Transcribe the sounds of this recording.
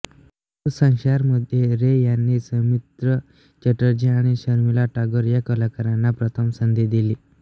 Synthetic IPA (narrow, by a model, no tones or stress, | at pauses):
sə̃ŋɕaɾməd̪ʱjeɾejanːiːsəmit̪ɾə | t͡ɕəʈəɾd͡ʑiaɽ̃iɕəɾmilaʈaɡəɾjakəlakəɾanːapɾət̪ʰəmsənd̪ʱed̪iliː